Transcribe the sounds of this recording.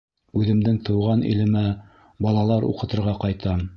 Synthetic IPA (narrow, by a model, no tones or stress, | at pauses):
ʉðɘ̆md̪ɘŋt̪ɤ̆wʁɑnḭlɘ̆mæ | bɑlˠɑlˠɑɾṵqɤ̆t̪ɤ̆ɾʁɑqɑjt̪ʰɑm